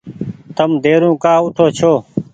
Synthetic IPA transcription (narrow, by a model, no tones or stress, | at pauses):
t̪əmd̪eːɾũːkaːʊʈʰoːt͡ʃʰoː